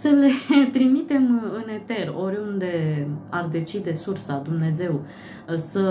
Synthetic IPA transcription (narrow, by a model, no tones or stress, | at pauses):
səle̞t̪ɾimit̪e̞mɨne̞t̪e̞ro̞ɾʲund̪e̞ard̪e̞t͡ʃid̪e̞sursad̪umne̞ze̞w | sə